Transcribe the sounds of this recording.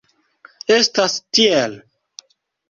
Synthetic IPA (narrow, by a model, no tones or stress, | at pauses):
estastiel